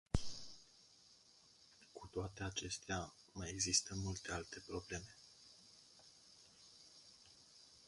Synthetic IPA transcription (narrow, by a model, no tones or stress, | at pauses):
kut̪oat̪e̞at͡ʃe̞st̪ea | maje̞ɡzist̪əmult̪e̞alt̪e̞pɾo̞ble̞me̞